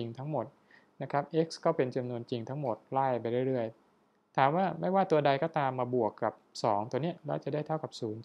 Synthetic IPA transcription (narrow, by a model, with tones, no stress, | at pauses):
i˧ŋt̪ʰa˦˥ŋmo˨˩t̪̚ | na˦˥kʰɾa˦˥p̚ʔe˦˥k̚skɔː˥˩pe˧nt͡ɕa˧mnu˧ənt͡ɕi˧ŋt̪ʰa˦˥ŋmo˨˩t̪̚laː˥˩jpa˧jɾɯ˥˩əjɾɯ˥˩əj | t̪ʰaː˨˩˦mwaː˥˩ma˥˩jwaː˥˩t̪u˧ɐda˧jkɔː˥˩t̪aː˧mːaː˧bu˨˩əkːa˨˩p̚sɔː˩˦ŋt̪u˧ni˦˥ɐlaː˥˩t͡ɕa˨˩da˥˩jt̪ʰa˥˩wka˨˩p̚suː˩˦n